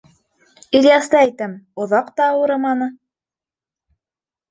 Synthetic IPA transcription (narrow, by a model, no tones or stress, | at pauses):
ilʲjɑst̪ɑæjt̪ɘmŏðɑqt̪ɑːwɤ̆ɾɤ̆mɑnɤ